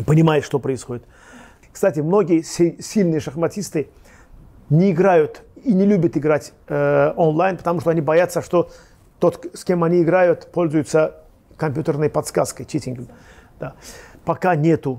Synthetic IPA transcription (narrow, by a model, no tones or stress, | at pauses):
pənʲɪmajɪt̪ʂt̪o̞pɾəɪsxo̞dʲɪt̪ | kst̪atʲɪmno̞ɡʲɪjəssʲilʲnɨjəʂəxmɐtʲist̪ɨ | nʲɪːɡɾajʊt̪inʲɪlʲubʲət̪ɪɡɾatʲ | onlˠajnpə̥t̪ɐmuʂt̪oɐnʲibɐjat̪səʂt̪o̞ | t̪o̞t̪sʲkʲe̞mɐnʲiɪɡɾajʊt̪po̞lʲzʊjʊt̪sə | kɐmʲpʲjut̪ʲərnəjpɐt̪skaskəjt͡ɕʲetʲɪnɡəmd̪̥apɐkanʲe̞t̪ʊ